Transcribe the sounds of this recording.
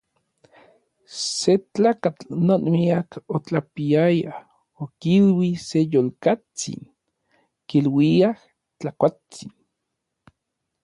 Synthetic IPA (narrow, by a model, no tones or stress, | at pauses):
set͡ɬaːkat͡ɬnonmiakot͡ɬapiaja | okilwisejolkat͡sḭn | kilwiah | t͡ɬakʷa | t͡sin